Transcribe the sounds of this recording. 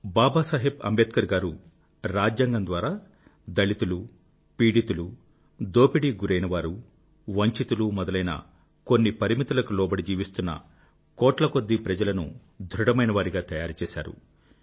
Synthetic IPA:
baːbaːsaːɦibɐ̰mbeːt̪kɐɾɡaːɾu | ɾaːd͡ʒjaːŋɡɐnd̪ʋaːɾaː | d̪ɐɭit̪ulu | piːɽit̪ulu | d̪oːpiɽiɡuɾɐjnɐʋaːɾu | ʋɐɲt͡ʃit̪ulumɔd̪ɐlɐjnɐ̰ | ko̞nːipɐɾimit̪ulɐkulɔːbɐɽid͡ʒiːʋist̪unːɐ̰ | kɔːʈlɐko̞d̪ːipɾɐd͡ʒɐlɐnṵ | d̪ʱɾuɽɐmɐjnɐʋaːɾiɡaːt̪ɐjaːɾut͡ʃɛːsa̰ːɾṵ

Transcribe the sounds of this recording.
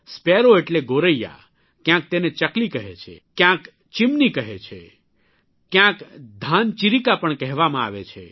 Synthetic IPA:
speɾoeʈleɡoɾəja̰ | kjãk̚t̪enet͡ʃəklikəɦet͡ʃʰḛkjãk | t͡ʃimnikəɦet͡ʃʰḛ | kjãkd̪ʱant͡ʃiɾikapəɳkɛɦʋamãa̰ʋet͡ʃʰḛ

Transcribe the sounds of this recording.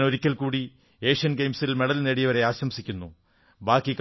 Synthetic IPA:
no̞ɾikʲːɐlkuːɽi | e̞ːʂɐnɡe̞jmsilme̞ɽɐlneɽijɐʋɐɾe̞aːɕɐmsikʲːunːu | baːkːik

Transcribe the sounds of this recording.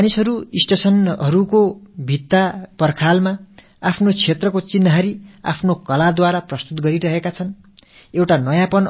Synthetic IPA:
nisɦʌɾuisʈesʌnɦʌɾukobʱit̪ːapʌrkʰalma | apʰnot͡sʰet̪rʌkot͡sinːʌɦʌɾia̰pʰnokʌlad̪waɾaprʌst̪ut̪ɡʌɾiɾʌɦekat͡sʰʌn | ewʈanʌjãpʌn

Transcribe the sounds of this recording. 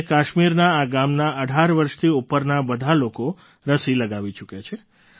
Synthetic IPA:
kaʃmiɾnaaɡamnaʔəɖʱaɾʋəɾʃt̪ʰiupəɾnabəd̪ʱaloko | ɾəsiləɡaʋit͡ʃukjat͡ʃʰe

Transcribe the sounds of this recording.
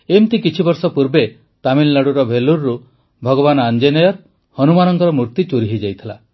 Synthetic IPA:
emt̪ikit͡ʃʰibɔɾsɔpuɾbe | t̪amillaɽuɾɔbʱeluɾːu | bʱɔɡɔbanɔand͡ʒenijɔɾ | hɔnumanɔŋkɔɾɔmuɾt̪it͡ʃuɾiɦid͡ʒajt̪ʰila

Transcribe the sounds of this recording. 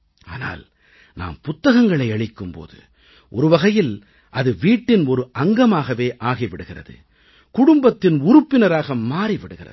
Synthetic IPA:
a̰ːna̰ːl | na̰ːmpʊt̪ːɐɣɐŋɡɐɭɐɪɐɭɪkːɯmpo̰ːðɯ̰ | ʔɔɾɯʋɐɣɐjɪl | ʔɐðɯʋiːʈːɪnɔɾɯʔɐŋɡɐmaːɣɐʋeːʔaːɣiʋɪɽɯɣɪrɐ̰ðɯ̰ | kʊɽʊmbɐt̪ːɪnʊɾʊpːɪnɐɾaːɣɐmːaːɾiʋɪɽɯɣɪ̰rɐ̰

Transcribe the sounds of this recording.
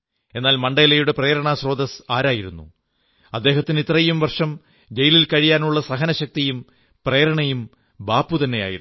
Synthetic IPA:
e̞nːaːlmɐɳɖɐːlɐjuɽe̞preːɾɐɳaɕro̞ːd̪ɐsaːɾaːjiɾunːṵ | ɐd̪ːe̞ːɦɐt̪ːinit̪rɐjumʋɐrʂɐm | d͡ʑejililkɐɻijaːnuɭːɐsɐɦɐnɐɕɐk̚t̪ijum | preːɾɐɳɐjum | baːpːut̪ɐnːeja̰ːjḭɾ

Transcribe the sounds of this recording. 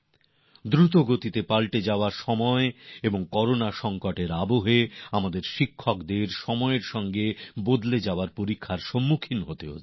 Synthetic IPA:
d̪ɾut̪̬oɡot̪it̪epalʈed͡ʑaoaɾʃɔmɔeeboŋkɔɾonaʃɔŋkoʈeɾaboɦeamad̪eɾʃikʰːokd̪eɾʃɔmɔeɾʃɔŋɡebod̪led͡ʑaoaɾpoɾikʰːaɾʃɔmːukʰinɦot̪eo̰

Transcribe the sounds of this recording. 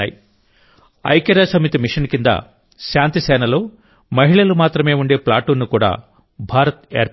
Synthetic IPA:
aːji | ɐ̰jkeɾɐsɐmit̪imiʂɐnkind̪ɐ̰ | ʃaːnt̪isɛːnɐlo̞ː | mɐɦiɭɐlumaːt̪ɾɐme̞ːuɳɖe̞ːplaːʈuːnːikuːɽa̰ː | bʱaːɾɐt̪eːɾ

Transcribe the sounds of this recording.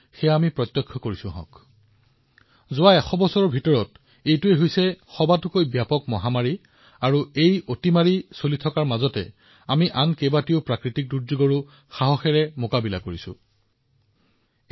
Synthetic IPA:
xɛjamipɹɔt̪jɔkʰːɔkoɹisʊ̃ɦɔ̰̃k | zʊwaɛxɔbɔsɔɹɔɹbʱitɔɹɔt | ejtʊɛɦojsɛxɔbatʊkojbjapɔk̚mɔɦamaɹi | aɹuejotimaɹisolitʰɔkaɹmazɔtɛ̰ | amiʔankebatiopɹakɹitik̚duɹzuɡɔɹu | xaɦɔxɛɹɛmokabila̰koɹisʊ̰̃

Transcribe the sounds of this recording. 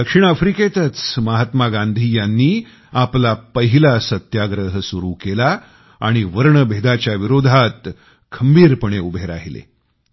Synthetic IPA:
d̪əkʂiɳ̃afɾiket̪ət͡sməɦat̪maɡãnd̪ʱijanːiː | aplapəɦilasət̪jaɡɾəɦsuɾuːkela | a̰ɽ̃iʋəɾɳəbʱed̪at͡ɕjaʋiɾod̪ʱat̪ | kʰəmbiːɾpəɳ̃eubʱeɾaɦilḛ

